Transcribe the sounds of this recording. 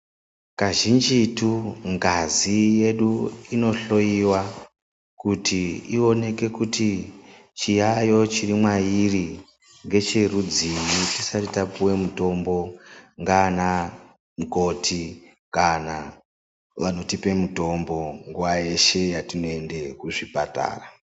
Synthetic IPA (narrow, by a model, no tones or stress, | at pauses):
kaʒind͡ʒituŋɡazije̞ɗuino̞ɬo̞jiwa | kutiio̞ne̞ke̞kuti | t͡ʃijajo̞t͡ʃirimwajiri | ŋɡe̞t͡ʃerud͡zimitisatitapuwe̞muto̞mbo̞ŋɡana | muko̞tʰi | kana | ʋano̞tipe̞muto̞mbo̞ŋɡuwaje̞ʃe̞jatinoe̞nde̞kuʐipa̰ta̰ːra